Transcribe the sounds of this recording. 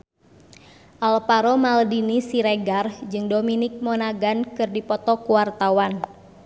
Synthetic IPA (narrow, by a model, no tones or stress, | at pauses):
ʔalpaɾɔmaldinisiɾɛɡard͡ʒɨŋdominɪk̚mɔnaɡankɨrdipɔt̪ɔkuwart̪awan